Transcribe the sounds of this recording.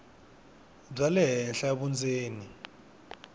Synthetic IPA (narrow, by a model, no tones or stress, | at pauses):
b͡ʐalɛɦɛnɬaβund͡zeːni